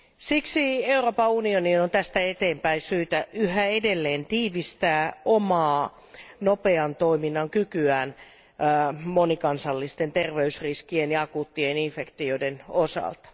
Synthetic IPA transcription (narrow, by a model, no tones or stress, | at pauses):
siksieuroːpɑunioninont̪æst̪æet̪eːmpæisyːt̪æʔyhæedelːeːnt̪iːʋist̪æːʔomɑː | nopeɑnt̪oiminːɑŋkykyæːn | monikɑnsɑlːist̪ent̪erʋeysriskienjɑkut̪ːieninfekt̪ioidenosɑ̰lt̪ɑ̥